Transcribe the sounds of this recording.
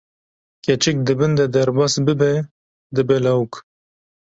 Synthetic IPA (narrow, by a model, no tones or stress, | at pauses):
kʲɛt͡ʃɛk̚d̪ɨbɨnd̪ɛd̪ɛɾbɑːsbɨbɛ | d̪ɨbɛlawk